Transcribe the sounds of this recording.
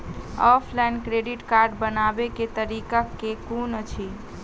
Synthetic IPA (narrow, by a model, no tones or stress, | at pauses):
ɔpʰlankɾeɖiʈkaɾɖbənabeket̪əɾikakːekunət͡ʃʰi